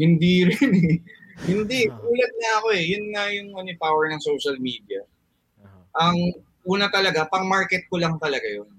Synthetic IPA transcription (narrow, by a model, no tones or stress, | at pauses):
hɪnd̪iɾɪnɛhɪnd̪iuːlɛt̪̚nɐɐko̞ɛjʊnːɐjʊŋʔɐnopaːwɛɹnɐŋso̞wʃɐlmiːd̪iɐ | ʔɐŋ | ʔuːnɐt̪ɐlɐɡapɐŋmaɹkɛt̪̚kolɐŋt̪ɐlɐɡajon